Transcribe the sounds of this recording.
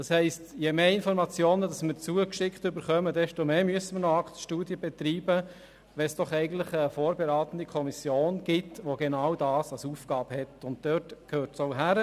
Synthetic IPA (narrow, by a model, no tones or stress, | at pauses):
d̥ɑshɛɪstjemeːɪnfɔɾmɑt͡sjoːnədɑsmɪɾt͡suəkʃɪktʏbəɾχœmədɛʃtomeːmyəsəməɾnɔɑktʃtuːdjəbɛt̪ɾiːbə | ʋɛsd̥ɔχɛɪɡən̩tləχəfoːɾbeɾɑːt̪ən̩d̥ikʰɔmisjoːnɡ̥ɪtʋoɡenɑʊwdɑːsɑlsuːfɡ̥ɑːbhɛtʊnt̚d̥øːtkʰøːɾtsoʊɦæɾə